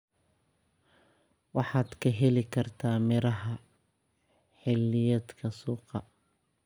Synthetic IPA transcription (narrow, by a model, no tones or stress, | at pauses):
wɑħɑːd̪kʰɐɦɛlɪkʰɐrt̪ʰaːmɪɾɐɦɐ | ħɪlːɪjɐd̪kʰɐsuːqɑ